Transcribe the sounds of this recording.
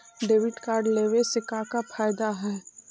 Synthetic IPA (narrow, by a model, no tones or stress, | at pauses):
ɖeːʋɪʈkaːɾɖleːʋesɪkakafʰaːjd̪aɦɛː